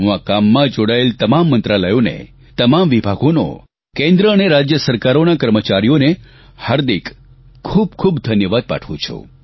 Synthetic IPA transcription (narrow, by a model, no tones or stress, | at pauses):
ɦũakamːãd͡ʒoɽaelt̪əmamːənt̪ɾaləjonḛ | t̪əmamʋibʱaɡono̰ | kẽnd̪ɾəəneɾad͡ʒjəsəɾkaɾonakəɾmət͡ʃaɾijone | həɾd̪ik | kʰːub̚kʰubd̪ʱənjəʋad̪̚pa̰ʈʰʋṵ̃t͡ʃʰṵ̃